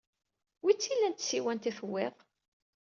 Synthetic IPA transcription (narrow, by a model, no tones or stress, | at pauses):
wit͡sːilːænt̪siwænt̪iθwːɪʁ